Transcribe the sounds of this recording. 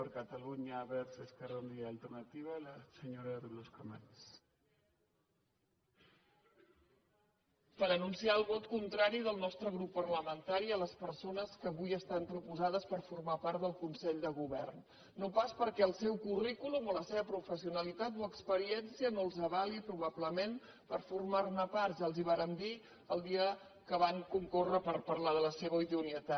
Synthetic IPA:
əɾkət̪əluɲəːβɛɾseskərond̪iaːlˠt̪ərnat̪iβalasəɲoɾaðuɣloskomḛns | pəɾənunsiaəlˠβɔt̪kunt̪ɾaɾiðəlˠnɔst̪ɾəɣɾupːərləmənt̪aɾiələspəɾsonəskəːβujəst̪ampɾupuzað̞əspəɾfurmapaɾt̪̚ðəlˠkunsɛʎd̪əɣ̞uβɛrnː | opaspəɾkɛəlˠsɛwkurikulumoləseβəpɾufəsiunəlit̪at̪oəkspəɾiɛnsiənoəlˠzəβalipɾuβ̞abləmen | pəɾfurmarnəparʒaəlˠziβ̞aɾənd̪i | əlˠd̪iə | kəβ̞aŋkuŋkorəpəɾpərlaðələseβəiðuniət̪a

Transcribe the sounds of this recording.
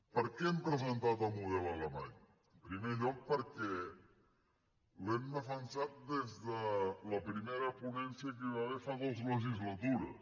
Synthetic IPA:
pəɾkɛɛmpɾəzənt̪at̪amuðɛlaləmaɲ | pɾimeʎɔk̚pəɾkɛ | lɛmd̪əfansat̪̚d̪ezðələpɾimeɾəpunɛnsiək̬iβaβefaɣozləʒizlat̪uɾə̰

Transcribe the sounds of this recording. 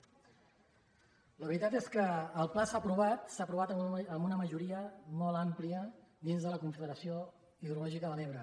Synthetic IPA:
ləβɾit̪at̪eskəːlˠplasapɾuβ̞at̪sapɾuβ̞at̪əmunəməʒuɾiəmɔlˠampliəd̪inzðələkuɱfəðəɾəsio | iðɾulɔʒikəðəleβɾə

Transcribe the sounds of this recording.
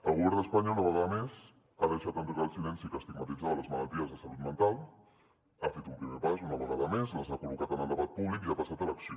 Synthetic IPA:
əlˠɣuβɛɾd̪əspaɲaunəβəɣaðəmez | aðəʃat̪ənt̪ɾuɣalˠsilɛnsikəst̪iɡmət̪id͡zaðələzməlalˠt̪iəzðəsəlut̪mənt̪alˠ | afet̪umpɾimepasunəβəɣaðəmezləzakulukat̪ənəlˠd̪əβat̪̚puβlikiapasat̪ələksio

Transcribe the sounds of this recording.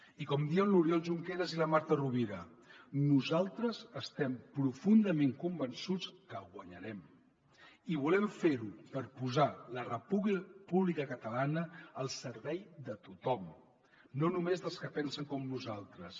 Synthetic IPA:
ikɔmd̪iənluɾjɔlˠʒuŋkeɾəziləmaɾt̪əruβiɾə | nuzalˠt̪ɾəzəst̪ɛmpɾufund̪əmeŋkumbənsut͡skəɣwəɲəɾɛm | iβulɛɱfeɾupəɾpuzalərəpuβlpuβlikəkət̪əlanəːlˠsəɾβɛjðət̪ut̪ɔm | nonumezðəlˠskəpɛnsəŋkɔmnuzalˠt̪ɾəs

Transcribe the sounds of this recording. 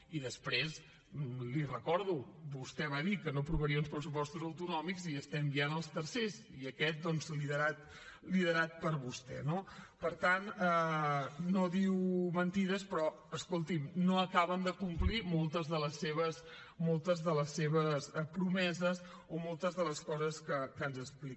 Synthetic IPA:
iðəspɾez | lirəkɔɾð̞ubust̪ɛβaðikənopɾuβəɾiəunspɾəsupɔst̪uzəwt̪unɔmikziəst̪ɛmbianəlˠst̪əɾsez | iəkɛt̪̚d̪ɔnzliðəɾat̪ | liðəɾat̪̚pəɾβust̪ɛ̰nopəɾt̪anɛ | noðiwmənt̪iðəspɾɔ | əskolˠt̪imnoəkaβənd̪əkumplimolˠt̪əzðələsːeβəs | molˠt̪əzðələsːeβəsɛpɾumɛzəz | omɔlˠt̪əzðələskɔzəskəkənzəsplik

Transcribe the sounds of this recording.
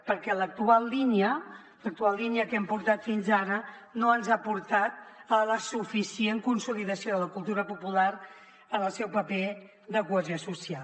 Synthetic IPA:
pəɾkɛlək̚t̪ualˠːiniə | lək̚t̪ualˠlːiniəkɛmpuɾt̪at̪finzaɾə | noənzapuɾt̪at̪̚ələsufisieŋkunsuliðəsijoðələkulˠt̪uɾəpupulaɾ | ənəlˠsɛwpəpe | ðəkuəziosusial

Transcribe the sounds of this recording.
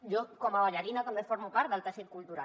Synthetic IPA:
d͡ʒokomaβaʎaɾinakomefoɾmupaɾt̪ðəlt̪asit̪̚kult̪uɾa̰

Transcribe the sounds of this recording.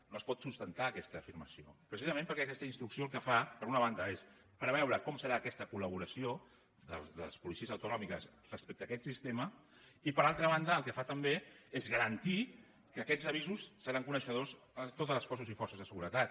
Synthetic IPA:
noəspɔt̪sust̪ənt̪aːkɛst̪əːfiɾməsio̰pɾəsizəmẽmpəɾkɛəkɛst̪əinst̪ɾuksioəlˠkəfapəɾunəβand̪əes | pəɾβ̞ɛwɾəkɔmsəɾaːkɛst̪əkuləβ̞uɾəsio | ðə̰lðə̰lspulisiəzəwt̪unɔmikəs | rəspek̚t̪əːkɛt̪sist̪emə | ipəɾalˠt̪ɾəβ̞and̪əːlˠkəfat̪əmbeezɣəɾənt̪i | kəːkɛzəβ̞izusːəɾaŋkunəʃəðoz | t̪ot̪əzləskɔzuzifɔrsəzðəsəɣuɾət̪at̪̚

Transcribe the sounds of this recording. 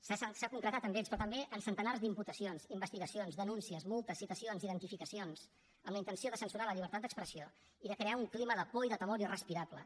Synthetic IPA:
sassakuŋkɾət̪at̪əndespɾɔt̪əmbeʔənsənt̪ənarzd̪imput̪əsionzimbəst̪iɣəsionzðənunsiəzmolˠt̪əsːit̪əsionziðənt̪ifikəsionz̥ | əmləint̪ənsioðəsənsuɾaləʎiβ̞əɾt̪at̪d̪əkspɾəsio | iðəkɾeauŋkliməðəpoiðət̪əmoɾirəspiɾablə̰

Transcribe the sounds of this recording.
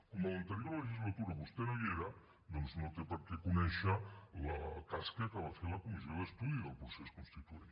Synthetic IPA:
komalənt̪əɾjoɾleʒizlat̪uɾaβust̪enojeɾɐ | d̪onznot̪epəɾkɛkunɛʃɐlat̪askɐkəβ̞afeɾlɐkumizjoðəst̪uðiðəlˠpɾuseskunst̪it̪uen

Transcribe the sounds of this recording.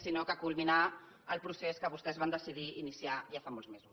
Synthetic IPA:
sinokəkulˠmina | əlˠpɾuseskəβust̪ɛzβand̪əsiðiinisiaʒafamolzmezus

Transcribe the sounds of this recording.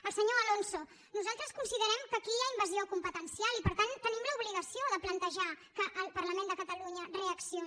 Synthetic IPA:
əlˠsəɲoəlonso | nuzalˠt̪ɾəskunsiðəɾɛmkəkijaimbəziokumpət̪ənsialipəɾt̪ant̪ənimləuβliɣəsioðəplənt̪əʒakəʔəlˠpərləmẽnd̪əkət̪əluɲəreəksio

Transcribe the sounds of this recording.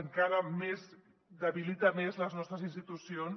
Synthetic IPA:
əŋkaɾəmez | d̪əβilit̪amezləznɔst̪ɾəzinst̪it̪usion

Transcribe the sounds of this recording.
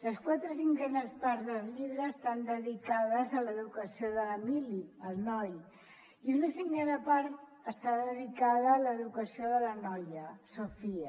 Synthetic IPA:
ləskwat̪ɾəsiŋkenəspaɾzðəzʎiβɾəːst̪and̪əðikaðəzaləðukəsioðələmiliəlˠnɔj | iunəsiŋɡenapaɾt̪ | əst̪aðəðikaðəːləðukəsioðələnɔjəsofiə

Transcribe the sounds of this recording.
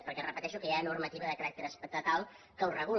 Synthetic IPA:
pəɾkɛrəpət̪ɛʃukəjanurmət̪iβəðəkəɾak̚t̪eɾəspək̚t̪ət̪alˠ | kəurəɣ̞u

